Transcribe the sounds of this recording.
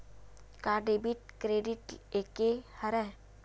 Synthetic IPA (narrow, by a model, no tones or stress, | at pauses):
kaɖebiʈkɾeːɖiʈeːkehɐɾɛ